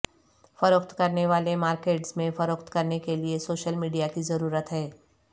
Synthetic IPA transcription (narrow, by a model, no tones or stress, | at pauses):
fɐɾoːkt̪kɐɾneʋaːlemaːɾkeːʈsmẽfɐɾoːkt̪kɐɾnekeliesoːʃəlmiːɖijakizɐɾuːɾət̪ɦɛː